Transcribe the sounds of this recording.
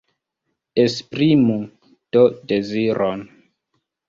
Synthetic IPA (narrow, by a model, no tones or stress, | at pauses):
espɾimu | d̥odeziɾʔon